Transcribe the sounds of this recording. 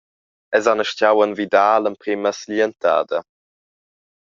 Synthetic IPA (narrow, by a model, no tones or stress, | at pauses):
ɛzanəʃcawənvidaːlənpɾiməsliənta̰ːd̪ə